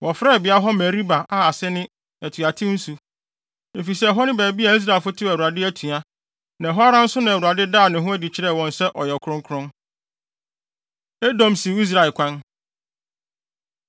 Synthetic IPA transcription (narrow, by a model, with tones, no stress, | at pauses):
wʔɔ˨fɾɛ˦˨bɪ˨a˦ɦɔ˦mɛ˨ɾi˦ba˨ʔa˦a˨sɛ˦nɪ̃˦ | æ˨tʰu˨a˨tʰɪ̃˦n̩˦su˨ | e˨fi˨sɛ˦˨ɦɔ˦nɪ̃˦bæː˨bi˦a˨i˦s̬ɾa˨ɪ˨fʊ˦tʰɪ˦æ˨wu˨a˨dɪ˦æ˦tʰũ˨a˦ | nã˨ɦɔ˦a˦ɾã˦n̩˦sʊ˦nã˨wu˨a˨dɪ˦daː˦˨nɪ̃˨ɦʊ̃˦æ˦di˨t͡ɕʰɪ˨ɾɛ˦˨wɔ̃˨nsɛ˦ʔɔ˨jɛ˨kʰʊ̃˦ŋ˦kʰʊ˦ɾʊ̃˦n | e˦dɔ̃˨msĩ˨˦i˦s̬ɾa˨ɪ˨kʷʰã˦n